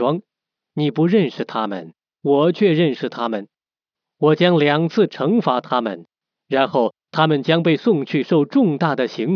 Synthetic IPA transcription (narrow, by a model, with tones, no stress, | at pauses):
ɑ˥ŋ | ni˨˩pu˧˥ɻə˥˧nʂɻ̩˥˩t̪ʰa˥mə̰˨˩n | wɔ˨˩t͡ɕʰɥɛ˥˧ɻə˥˧nʂɻ̩˥˩t̪ʰa˥mə˨n | wɔ˨˩t͡ɕjɑ˥ŋljɑ˨˩ŋt͡sʰɹ̩˥˩ʈ͡ʂʰɤ˧˥ŋfa˧˥t̪ʰa˥mə̰˨n | ɻa˧˥nxo˥˩ʊt̪ʰa˥mə˨nt͡ɕjɑ˥ŋpe˥˧ɪsʊ˥˧ŋt͡ɕʰy˥˧ʂo˥˧ʊʈ͡ʂʊ˥˧ŋt̪a˥˩d̪ə˩ɕi˧˥ŋ